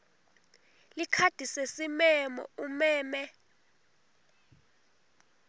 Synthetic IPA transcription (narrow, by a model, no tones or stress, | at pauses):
likʰad̥ʱisesimɛmɔ̰umɛːmɛ